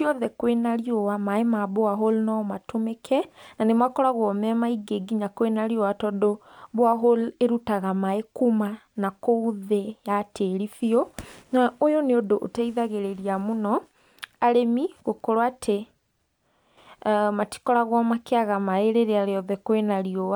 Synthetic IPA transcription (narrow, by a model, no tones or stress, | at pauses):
tiɔðɛkwenaɾiowamaemaboaɦolnɔmatomekʰɛnanemakɔɾaɣwɔmɛmaiɡeɡiɲakwenaɾiowatɔdo | boaɦoleɾutaɣamaekuma | nakouðejateɾifionaojoneodoʔotaiðaɣeɾeɾiamonɔ | aɾemiɣokoɾwatʰe | mati̥kɔɾaɣwɔmakeaɣamaeɾeɾeaɾeɔðɛkwenaɾiowa